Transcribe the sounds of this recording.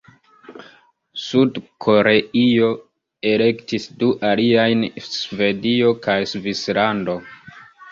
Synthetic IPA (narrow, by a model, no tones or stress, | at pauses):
sudkʰo̞ɾe̞io̞ | e̞le̞ktisduʔaliajnsve̞dio̞kajsvislando̞